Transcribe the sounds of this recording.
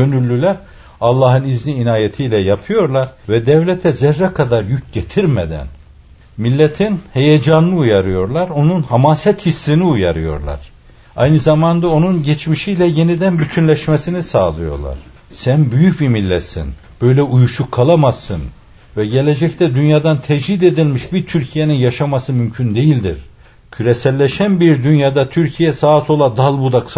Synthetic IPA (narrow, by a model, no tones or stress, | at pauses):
ønylʲːylʲæɾ | alˠːaɦɯnizniːnaːjet̪ʰijlʲɛjapʰɯjo̞ɾlˠaɾvɛd̪ɛvlʲɛt̪ʰɛzɛɾːɛkʰad̪aɾjyc̚ɟet̪ʰiɾmɛd̪æ̰n | milʲːet̪ʰinhejɛd͡ʒanlˠɯujaɾɯjo̞ɾlˠaɾo̞nunhamasɛt̪hisːiniujaɾɯjo̞̰ɾlˠa̰ɾ̥ | a̰jnɯzamand̪ao̞nunɟɛt͡ʃmiʃijlʲɛjenid̪ænbyt̪ʰynlʲɛʃmesinisaːlˠɯjo̞̰ɾlˠa̰ɾ̥ | sænbyjycimilʲːɛ̰sḭn | b̥ø̞jlʲɛujuʃukʰːalˠamazːɯn | vɛɟelʲed͡ʒɛct̪ʰɛd̪ynjaːd̪ant̪ʰɛʒid̪e̞d̪ilʲmiʃbiɾt̪ʰyɾcʰijeninjaʃamasɯmymcʰynd̪e̞jilʲd̪ḭɾ | cʰyɾɛsɛlʲːɛʃænbiɾd̪ynjaːd̪at̪ʰyɾcʰijɛsaːso̞lˠad̪alˠbud̪akʰ